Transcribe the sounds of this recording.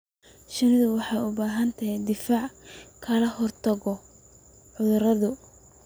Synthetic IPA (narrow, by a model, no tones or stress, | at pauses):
ʃɐnɪðʊwɑħɑjʊbaːɦɐnt̪ʰɐɦɛd̪ɪfaːʕkʰɐlɐhɔrt̪ʰɐɣɔ | ʕʊðʊɾɐðʊ